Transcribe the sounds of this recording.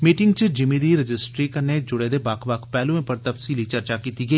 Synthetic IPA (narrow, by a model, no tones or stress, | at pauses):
miːʈɪŋɡt͡ʃəd͡ʒɪmid̪iːɾɪd͡ʒɪsʈɾiːkəned͡ʒʊɽed̪eːbaːkʰbaːkʰpɛːlũẽpəɾt̪əfsiːlit͡ʃɐɾt͡ʃakiːt̪iːɡəiː